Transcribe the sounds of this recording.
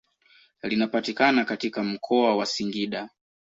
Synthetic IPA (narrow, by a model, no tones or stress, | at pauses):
linapatikanakatikam̩kʰɔawasiŋɡiɗa